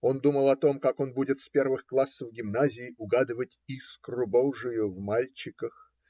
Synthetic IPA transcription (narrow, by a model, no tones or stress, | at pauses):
o̞nd̪uməlˠɐt̪o̞mkako̞nbudʲɪt̪spʲe̞rvɨxklˠasːəvɡʲɪmnazʲɪːʔʊɡad̪ɨvətʲiskrʊbowʐɨjʊvmalʲt͡ɕɪkəx